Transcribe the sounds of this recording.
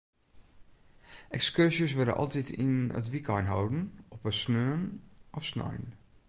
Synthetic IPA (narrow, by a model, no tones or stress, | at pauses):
ʔɛkskørsjəsʋødə̰ʔɔ̰lˠtitʰinə̰tʋikɔjnɦowdn̩ɔpəsnøːənʔɔfsnɔ̰jn